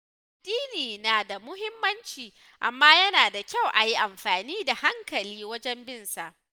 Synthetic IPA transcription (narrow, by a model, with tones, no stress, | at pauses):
d̥iː˦niː˨naː˨da˨mʊ˦ɦɪ˦mːɐ˦nt͡ʃiː˨ | ʔa̰˨mːaː˦jɐ˦naː˨da˨kʲa˦˨wʔa˨ji˦ʔa˨mɸaː˨niː˦da˨ha˦ŋkɐ˨liː˦wɐ˦d͡ʒɛ˦mbɪ˦˨nsa˨ʔ